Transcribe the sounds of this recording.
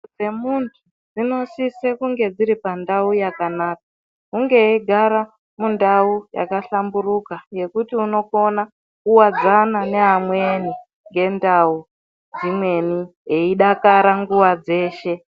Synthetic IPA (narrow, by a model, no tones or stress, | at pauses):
d͡ze̞muntʰu | d͡zino̞sisekuŋɡe̞d͡ziɾipandaujakanaːk̚a | kuŋɡe̞iɡʱaɾa | mundauja̰kaɬamburukaje̞kutiuno̞ko̞na | kuwad͡zanane̞ɦamweni | ŋɡe̞ndau | d͡zimwe̞nieiɗakaɾaŋɡuwad͡ze̞ːʃe̞